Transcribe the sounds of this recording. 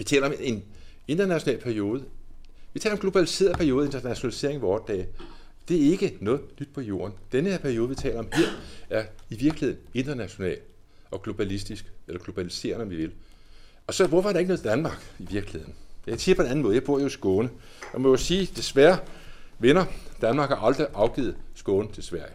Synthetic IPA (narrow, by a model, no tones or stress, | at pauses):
ʋit͡sʰɛ̰ːlɐɒ̽me̝n | e̝nd̥ɐnæɕo̝nɛ̰ːlpʰæɐijo̝ːð̞̩ˠʋi̥ɛ̰ːlɐɒ̽mɡ̥lo̝b̥ælise̝̰ːɐðˠpʰæɐijo̝ːð̩ˠe̝nd̥ɐnæɕo̝nælise̝̰ɐe̝ŋʋɒːd̥ːɛ̰ː | d̥e̝æɐe̝ɡ̥ənɔ̽ːð̩ˠnyd̥̚pʰɒ̽jo̝̰ːɐnd̥enəheɐ̰pʰæɐio̝ːð̞̩ˠʋit͡sʰɛ̰ːlɐɒ̽mhe̝ɐ̰æɐiʋiɐɡ̥liheðˠn̩e̝nd̥ɐnæɕo̝nɛ̰ːl | ɒ̽ɡ̥lo̝b̥ælisd̥isɡ̥elɐɡ̥lo̝b̥ælise̝̰ːɐnəɒ̽mʋiʋe̝l | ɒ̽sɒ̽ʋɒfɒɾ̥ɑ̈e̝ɡənɔð̩ˠd̥ænmɑ̈ːɡ̥iʋiɐɡ̥lihe̝ð̰ˠn̩jɑɪsiɐpʰɒ̽enæn̩mɔðˠjɑb̥oɐ̰josɡ̥ɔːnə | jɑmɔjosiːd̥e̝sʋæɐʋenɐd̥ænmɑ̈ːɡ̥hɑ̈ʔɑ̈ld̥ʁiʔɑ̈ʊɡ̥ḭːð̩ˠsɡ̥ɔːnət͡sʰe̝lsʋæɐ̰jə